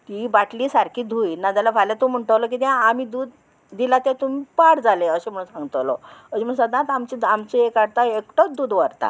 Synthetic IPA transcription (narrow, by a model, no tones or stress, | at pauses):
t̪ibaʈliːsaɾkʰiːd̪ʱujnad͡z̪alabʱalat̪om̤əɳʈəʋlɔk̬iːt̪jãam̤id̪uːd̪ː | ilat̪jãt̪umipaɽd͡zaleəɕem̤əɽuːnsãŋɡt̪lɔ̰əd͡ʑiməɡsəd̪ãt̪amt͡ɕiamt͡ɕeekaɽt̪aekʈɔd̪uːd̪ʋəɾt̪a̰